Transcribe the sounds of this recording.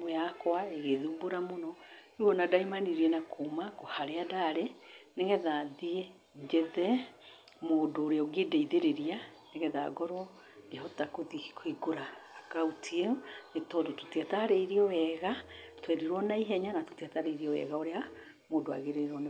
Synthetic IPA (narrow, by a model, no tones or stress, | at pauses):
mojakwaeɣeðuboɾamonɔ | uɔnadaimaniɾienakʰomakohaɾeadaɾeneɣɛðaðie | ɲd͡ʒeðɛ | moːdoːɾeoɡedɛiðeɾeɾianeɣɛða̰ɡɔɾɔ | hɔtakoði̥kʰoiɡoɾaːkaotʰienetɔdoto̥tiataɾeiɾiɔwɛɣatwɛɾiɾwɔnaiɦɛɲanato̥tiataɾeiɾiɔwɛ̰ɣaoɾea | moːdoa̰ɣeɾeɾɔn